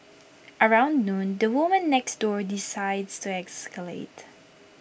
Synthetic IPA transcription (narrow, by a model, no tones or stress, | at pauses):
ʔəɹãʊ̃nd̪nũnd̪əwʊmə̃nːɛksd̪ɔɹd̪ɪsaɪd̪st̪uɛkskəlḛɪt̪